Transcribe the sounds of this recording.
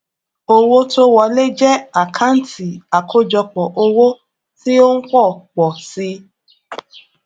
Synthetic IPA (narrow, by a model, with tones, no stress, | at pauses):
o˧wo˦to˦wɔ˧le˦d͡ʒɛ˦a˨kʰã˦n̩˦tʰi˨a˨kʰo˦d͡ʒɔ˧k͡pɔ˨ʔo˧wo˦ | ti˦o˦n̩˦k͡pɔ˦˨k͡pɔ˨si˧˦